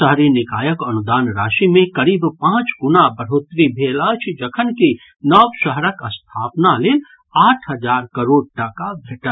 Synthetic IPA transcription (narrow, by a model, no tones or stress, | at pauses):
əɦɾinɪkaːjəkɐnʊd̪aːnɾaːʃimẽkɐɾiːbpãːt͡ʃɡʊnabəɾ̤oːt̪ɾibʱeːlat͡ʃʰd͡ʒəkʰənki | nɔːʋʃəɦɾəkəst̪ʰaːpnaleːl | aːʈʰɦəd͡ʒaːɾkəɾoːɽ̚ʈəkabʱeʈəɾ